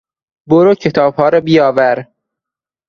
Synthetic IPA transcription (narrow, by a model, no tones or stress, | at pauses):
boɾocʰet̪ʰɒːb̥hɒːɾɒːbijɒːvæɾ